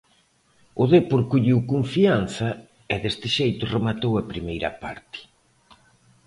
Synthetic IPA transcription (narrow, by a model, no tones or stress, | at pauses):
ʊðepoɾkuʎiwkoɱfian̟θɐ | ɛðest̪ɪʃejt̪ʊremat̪owɐpɾimejɾɐ̰pa̰ɾt̪ɪ̥